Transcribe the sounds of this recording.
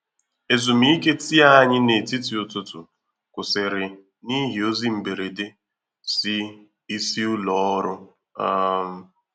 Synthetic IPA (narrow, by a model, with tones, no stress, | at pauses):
e˨zu˨mi˨˦i˦ke˦ti˦a˦ɲɪ˦ne˨ti˦ti˨ʊ˨tʊ˨tʊ˨ | kʊ˨sɪ˨ɾɪ˨ | ni˦ɦi˨o˦zi˦m̩˨be˨ɾe˨de˦ | sɪ˦ | i˦si˦ʊ˦lɔ˦ɾʊ˦ | a˦m˦